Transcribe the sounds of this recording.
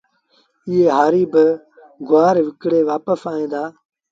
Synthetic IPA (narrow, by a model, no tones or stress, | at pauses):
ɪːeːɦaːɾiːbə | ɡʊaːɾʋɪkɽeːʋaːpəsaːẽːd̪aː